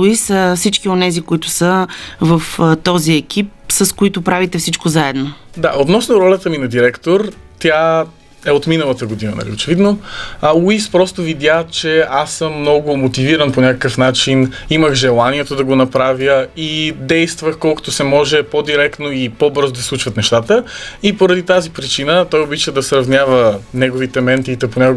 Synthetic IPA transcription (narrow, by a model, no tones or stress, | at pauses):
isfsit͡ʃkionɛzikoit̪ʊ̥səvəft̪ɔziɛk̟ʰip̚səskoit̪ʊpɾavit̪ɛfsit͡ʃkozaɛd̪nod̪aot̪nɔsnʊɾɔlʲət̪əminɐd̪iɾɛkt̪oɾt̪ʲa | ɛot̪minəlˠət̪əɡod̪inə̰nɐ̰lḭot͡ʃɛvid̪nowispɾɔst̪ʊvid̪ʲjat͡ʃɛasːəmːnɔɡʊmot̪iviɾənponʲakəkəfnat͡ʃiniməxʒɛlˠaniɛt̪od̪ɐɡonɐpɾavjəid̪ɛjst̪vəxkɔlˠko̥t̪osɛmɔʒɛpod̪iɾɛkt̪noipobɤɾzod̪ɐslˠut͡ʃvət̪nɛʃt̪at̪əipoɾɐd̪it̪azipɾit͡ʃinət̪ɔjobit͡ʃəd̪ɐsɾɐvnʲavənɛɡovit̪ɛmɛnt̪iːt̪ɛponʲako